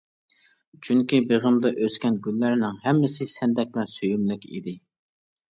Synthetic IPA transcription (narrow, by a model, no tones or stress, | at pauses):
t͡ʃʰyŋkʲibeʁəmd̪ɑʔøskʲɛnɡʲylːæɾnɪŋɦɛmːɪsɪsɛnd̪ɛk̚ʲlæsøjymlɪkʲḭd̪ɪ